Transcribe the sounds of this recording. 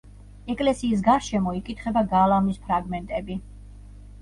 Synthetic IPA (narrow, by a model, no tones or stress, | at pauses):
ɛkʼlɛsiːs̬ɡaɾʃɛmɔikʼit̪ʰχɛbaɡalˠamispʰɾaɡmɛnt̪ʼɛbi